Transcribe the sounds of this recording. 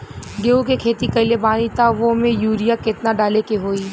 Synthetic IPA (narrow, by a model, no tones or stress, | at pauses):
ɡeːukekʰeːt̪ikɐɪlebaːnit̪aʋomẽjuːɾijakɪt̪naɖaːlekeɦoːiː